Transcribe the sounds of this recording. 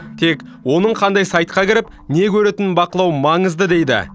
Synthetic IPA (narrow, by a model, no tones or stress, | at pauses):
t̪ʰe̞k | wo̞nəɴqʰɑnd̪ɑjsɑjt̪̚qɑkʲʰɪɾɪp | ne̞kʲʰɵɾe̞t̪ɪnbɑqəlˠɑwəmɑɴəzd̪əd̪e̞jd̪ɪ̰